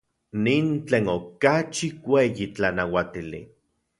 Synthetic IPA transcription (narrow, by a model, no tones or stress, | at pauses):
nint͡ɬeːnokat͡ʃikʷejit͡ɬanawat̪ilḭ